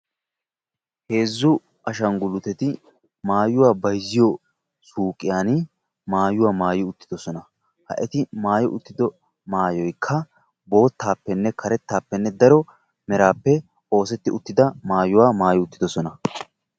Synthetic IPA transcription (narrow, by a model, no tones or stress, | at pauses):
he̞ːzːʊ | ɐʃɐŋɡʊlːʊt̪ɛt̪ɪ | maːjʊwaːbɐjzːɪjɔ | suːkʼːɪjaːnɪ | maːjʊwaːmaːjɔʊt̪ːɪd̪ɔsɔnɐ | hɐ̰ʔɛt̪ɪmaːjɔʔʊt̪ːɪd̪ɔ | maːjɔjkʰːɐ | bo̞ːt̪ːaːpːɛnːɛkʰɐɾɛt̪ːaːpːɛnːɛd̪ɐɾɔ | mɛɾaːpːɛ | o̞ːsɛt̪ːɪʊt̪ːɪd̪ɐmaːjʊwaːmaːjɔʊt̪ːɪd̪ɔsɔnɐ